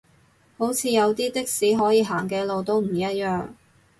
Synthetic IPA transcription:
ho˨˥wt͡sʰiː˨˧jɐ˨˧wt̪iː˥t̪ɪ˥k̚siː˨˥ɦɔː˨˥jiː˨˧ɦaː˨˩ŋkɛː˧lo˨wt̪o˥wm̩˨˩iː˨jɐ˥t̚jœː˨ŋ

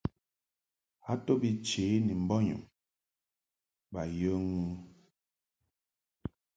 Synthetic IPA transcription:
a˦to˦bi˦t͡ʃe˨˦ni˨m̩˨bɔ˦ɲṵ˨m | ba˨jə˦ŋu˦

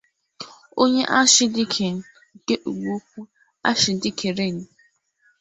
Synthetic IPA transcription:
o˦ɲe˦ʔa˦ʃɪ˦dɪ˦kʰe˨ŋ̩˨ | ke˦ʔu˨ɡ͡bu˦kʷu˦ | a̰˦ʃɪ˨dɪ˦kʰe˨ɾe˦˨ŋ̩˨

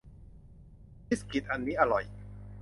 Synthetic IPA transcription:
pi˦˥ski˨˩t̪̚ʔa˧nːiː˦˥ʔa˧ɾɔ˨˩j

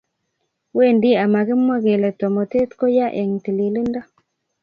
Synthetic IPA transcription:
we˦˨ndi˦a˨ma˨kɪ˦mwa˦ɡe˨le˨t̪ɔ˨mo˨t̪e˦t̪ko˦ja˦ʔe˨ŋt̪i˨li˨li˦nda˦

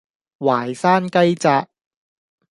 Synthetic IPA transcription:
waː˨˩jsaː˥nkɐ˥jt͡saː˧k̚

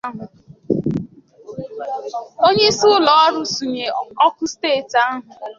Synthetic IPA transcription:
ɦʊ˨ | o˦ɲe˦sʊ˦ʊ˦lɔ˨ɔ˦ɾʊ˦su˨ɲe˨ɔ˦kʊ˦steː˦˨ta˦ɦʊ˨

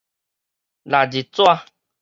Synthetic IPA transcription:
la˨d͡ʒi˨t͡so˦a˧

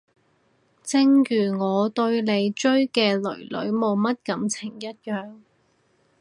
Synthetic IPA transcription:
t͡sɪ˥ŋjyː˨˩ŋɔː˨˧t̪ɵ˧ɥle˨˧jt͡ʃɵ˥ɥkɛː˧lɵ̰˨˩ɥlɵ̰˨˥ɥmo˨˧wmɐ˥t̚kɐ˨˥mt͡sʰɪ˨˩ŋjɐ˥t̚jœː˨ŋ

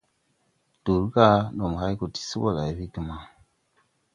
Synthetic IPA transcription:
d̥u˨ɾka˦no˨m˨a˦ku˨ti̥˨si˦bo˦˨la˨i˨bi˦ɡi˨ma˦

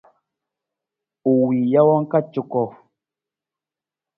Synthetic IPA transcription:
u˨wi˨ja˦wɔ˦ŋ̩˦ka˦t͡ʃu˨kɔ˨

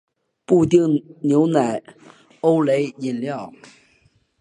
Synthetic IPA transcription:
pu˥˧t̪̬i˥˩ŋnjo˧˥ʊna˨˩ɪ | o˥ʊle˧˥ɪi˨˩nljɑ˥˩ʊ

